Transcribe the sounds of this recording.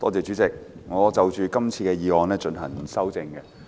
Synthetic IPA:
t̪ɔ̰ː˥t͡sɛː˨˧t͡ʃyː˨˥t͡sɪ˨k̚ŋɔː˨˧t͡sɐ˨wt͡ʃyː˨˧kɐ˥mt͡sʰiː˧kɛː˧jiː˨˧wɔː˨˧ŋnlɛː˥t͡ʃɵ˧nɦɐ̰˨˩ŋ˨sɐ˥wt͡sɪ˧ŋkɛ˧

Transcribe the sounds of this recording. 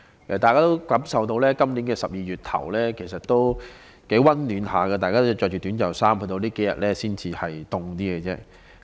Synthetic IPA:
ʔɛː˨t̪aː˨jkaː˥o˥wkɐ˨˥msɐ˨wt̪o˧wlɛː˥kɐ˥mniː˨˥nkɛː˧sɐ˨p̚jiː˨jyː˨˩t̚t̪ʰɐ̰˨˩wlɛː˥kʰe˨˩s̬ɐ˨t̚t̪o˥w | ke˨˥jwɐ˥nlyː˨˧nhaː˨kɛ˧t̪aː˨jkaː˥t̪t͡ʃɔː˧kt͡ʃy˨t̪yː˨˥nt͡ɕɐ˨˩wsaː˥mhɵ˧t̪o˧liː˥ke˨˥jɐ̰˨t̚lɛː˥siː˥nt͡siː˧hɐ˨jt̪ʊ˨ŋt̪iː˥kɛ˧t͡sɛː˥

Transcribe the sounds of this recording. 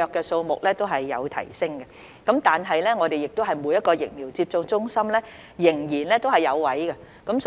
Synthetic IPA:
œː˨˧kːɛː˧so˧wmʊ˨k̚lɛː˥t̪o˥wɦɐ˨jːɐ˨˧wt̪ʰɐ̰˨˩jsɪ˥ŋɡɐ˧ | kɐ˨˥mt̪aː˨nɦɐ˨jlɛː˥ŋɔː˨˧d̪e˨jɪ˨k̚t̪o˥wɦɐ˨˩jmuː˨˧jɐ˥t̚kɔː˧jɪ̰˨k̚miː˨˩wt͡si˧p̚t͡sʊ˧ŋt͡sʊ˥ŋsɐ˥mlɛː˥ | jɪ˨˩ŋjiː˨˩nlɛː˥t̪o˥wɦɐ˨jɐ˨˧wwɐ˨˥jɡɐ˧ | kɐ˨˥ms

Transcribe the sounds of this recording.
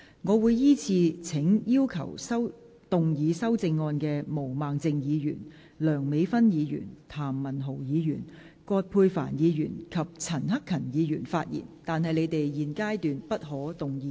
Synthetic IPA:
ŋɔː˨˧wuː˨˧jjiː˥t͡sʰiː˧t͡sʰɪ˨˥ŋjiː˥wkʰɐ̰˨˩wsɐ˥w | t̪ʊ˨ŋjiː˨˧sɐ˥wt͡sɪ˧ŋːɔː˧nkɛː˧mo˨˩wmaː˨ŋt͡sɪ˧ŋjiː˨˧jy̰˨˩n | lœː˨˩ŋme˨˧jfɐ˥njiː˨˧jy̰ː˨˩nt̪ʰaː˨˩mːɐ˨˩nɦo˨˩wjiː˨˧jyː˨˩n | kɔː˧t̚pʰuː˧jfa̰ː˨˩njiː˨˧jyː˨˩nkʰɐ˨p̚t͡sʰɐ˨˩nɦɐ˥kʰːɐ˨˩njiː˨˧jyː˨˩nfaː˧t̚jḭː˨˩nt̪aː˨nɦɐ˨jle˨˧jt̪e˨jjiː˨nkaː˥jt̪yː˨npɐ˥t̚ɦɔː˨˥t̪ʊ˨ŋjiː˨˧

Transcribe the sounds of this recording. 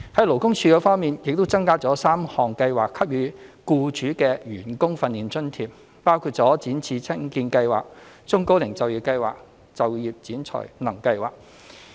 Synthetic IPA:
hɐ˨˥jlo˨˩wkʊ˥ŋt͡sʰyː˧kɛː˧fɔː˥ŋmiː˨njɪ˨k̚t̪o˥wt͡sɐ˥ŋkaː˥t͡sɔː˨˥saː˥mhɔː˨ŋkɐ˧jwaː˨kʰːɐ˥p̚ɥyː˨˥kuː˧t͡ʃyː˨˥kɛː˧ɥyː˨˩nkʊ˥ŋfɐ˧nːiː˨nt͡ʃɵ˥nt̪ʰiː˨˩p̚ | paː˥wkʰu˧t̚t͡sɔː˨˥t͡siː˨˥nt͡sʰiː˧t͡sʰɪ˥ŋkiː˧nkɐ˧jwa̰ː˨k̚ | t͡sʊ˥ŋko˥wlɪ˨˩ŋt͡sɐ˨wji˨p̚kɐ˧jwa̰ː˨k̚ | t͡sɐ˨wjiː˨p̚t͡siː˨˥nt͡sʰɔ̰˨˩jnɐ˨˩ŋkɐ˧jwaː˨k̚

